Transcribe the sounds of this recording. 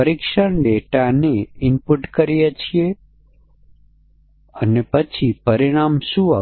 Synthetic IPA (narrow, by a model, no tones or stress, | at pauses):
əɾikʃəɳɖeʈaneɪmpuʈkəɾijet͡ʃʰie | ənepət͡ʃʰipəɾiɽ̃amʃua